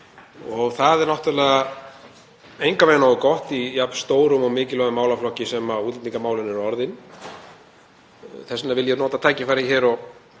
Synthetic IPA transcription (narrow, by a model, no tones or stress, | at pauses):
ɔɣθaðɛɾnɔht̪ʏɾlɛːɣa | ejŋkaveːnakɔht̪ijapst̪oːwɾʏmɔɣmɪːcɪlœɣʏmaːwlaflɔhcɪsɛmauːt̪lɛt̪niŋkamaːwlɪnɛɾɔɾðɪn | θɛsɪnavɪljɛnɔːt̪at̪ʰaːjcɪfaɾɪçɛːɾɔɣ